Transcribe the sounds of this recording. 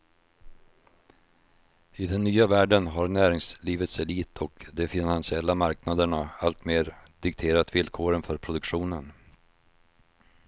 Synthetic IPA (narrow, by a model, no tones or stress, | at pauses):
ɪd̪ɛnːyːavæːɖənɦaɾnæːɾɪŋsliːvət̪sɛliːt̪ʰɔkd̪ɛfɪnansɪɛlːamaɾknad̪əɳaalt̪meːɾd̪̥ɪkt̪ʰeːɾat̪vɪlkʰoːɾənfœɾpʰɾʊd̪ɵkɧuːnən